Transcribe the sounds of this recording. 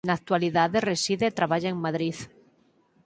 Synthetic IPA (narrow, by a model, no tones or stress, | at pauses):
nak̚t̪waliðaðeresiðet̪ɾaβaʎaeŋmaðɾið